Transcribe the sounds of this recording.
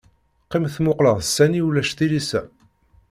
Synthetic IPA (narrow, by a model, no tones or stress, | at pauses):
qːimθmʊqləʁəsːæniulæʃθilisæ